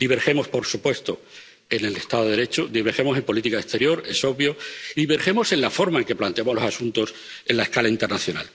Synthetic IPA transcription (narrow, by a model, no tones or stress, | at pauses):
d̪iβe̞ɾxe̞mo̞spo̞ɾsupwe̞st̪o | e̞ne̞lest̪aðoɾe̞t͡ʃod̪iβeɾxe̞mo̞se̞mpo̞lit̪ikaest̪e̞ɾjo̞ɾe̞so̞βjoðiβe̞ɾxemo̞se̞nlafo̞ɾmae̞ŋkeplant̪eamo̞zlo̞sasunt̪o̞s | e̞nlaeskalaint̪enaθjo̞na̰l